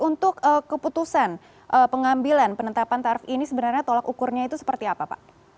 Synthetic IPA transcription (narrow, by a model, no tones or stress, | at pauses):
unt̪ʊkəkːəput̪usan | ʔəpəŋambilanpənət̪apant̪aɾifinisəbənarɲat̪olakukʊrɲait̪usə̥pərt̪iapapa̰ʔ